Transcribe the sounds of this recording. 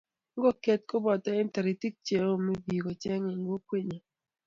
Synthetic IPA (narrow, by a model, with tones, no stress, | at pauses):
ŋ˦ɡɔ˦˨kɛ˦t̚ko˦bɔ˨tɛ˦ɪ˦n˦ta˨ɾi˨ti˦k̚t͡ʃe˨o˦˨me˦bi˨ɡɔ˨t͡ʃɛ˦ŋɪ˨ŋ˦ɡo˦kwi˦˨ɲa˨